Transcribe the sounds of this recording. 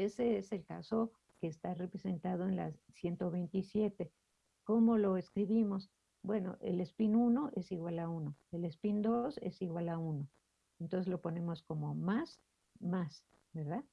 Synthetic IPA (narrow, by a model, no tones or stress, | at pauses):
e̞se̞ese̞lkaso̞ | ke̞ːst̪are̞pɾese̞nt̪að̞o̞enla̰ssje̞nt̪o̞βe̞jnt̪isje̞t̪e̞ | ko̞mo̞lo̞eskɾiβimo̞s | bwe̞no̞̰ʔḛle̞spinuno̞ʔe̞siɣwalauno̞e̞le̞spind̪ose̞̰siɣwalauno̞ | ent̪onse̞zlo̞po̞ne̞mo̞sko̞mo̞mas | mas | be̞ɾðað